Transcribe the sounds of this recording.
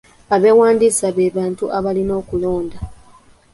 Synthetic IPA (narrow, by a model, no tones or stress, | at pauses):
aβe̞waːndisaβe̞ːβaːntuʔaβalino̞ːkulo̞ːnda